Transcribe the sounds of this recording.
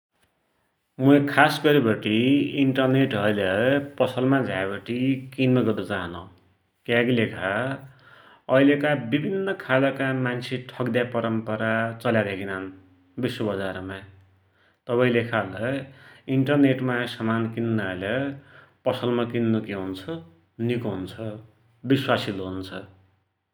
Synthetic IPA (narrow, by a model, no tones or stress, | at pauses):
muekʰasɡʌɾibʌʈiiɳʈʌrneʈʌjlʌpʌsʌlmad͡zʱabʌʈikinmʌɡʌrd̪ʌt͡saɦʌnʌ | kjaɡilekʰa | ʌilekabibʱinːʌkʰalʌkamant͡sʰeʈʰʌɡd̪japʌɾʌmpʌɾat͡sʌljaɾekinan | biswʌbʌd͡zaɾma | t̪ʌpaĩlekʰalʌiɳʈʌrneʈmasʌmankinnlʌpʌsʌlmakinːukeɦunt͡sʰʌ | nikɦunt͡sʰʌ | biswasiloɦunt͡sʰʌ